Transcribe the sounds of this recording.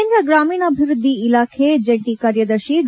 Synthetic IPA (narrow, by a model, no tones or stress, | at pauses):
nd̪ɾəɡɾaːmiːɳəbʱiɾʊd̪ʱːiːlaːkʰed͡ʒəɳʈikaɾjəd̪əɾʃiɖ̪